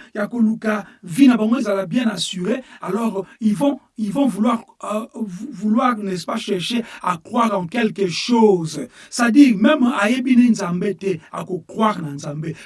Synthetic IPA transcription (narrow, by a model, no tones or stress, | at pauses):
jakolukavinabaŋɡoezalabjɛ̃nasyʁealɔʁivɔ̃ | ivɔ̃vulwaʁ | vulwaʁnɛspaʃɛʁʃeakʁwaʁɑ̃kɛlkəʃozsadiʁmɛmajebinenzãmbetɛa̰kokʁwaʁnanzãmbe